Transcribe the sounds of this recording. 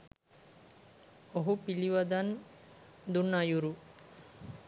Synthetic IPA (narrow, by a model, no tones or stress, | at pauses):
oɦupiliʋɐd̪ɐn | d̪unːajuɾu